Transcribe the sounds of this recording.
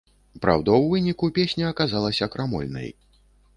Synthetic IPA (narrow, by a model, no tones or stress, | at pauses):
pɾa̰wd̪ɔwvɨnʲikupʲesʲnʲɐɐkazalˠɐsʲɐkɾamɔ̰lʲnɐ̰j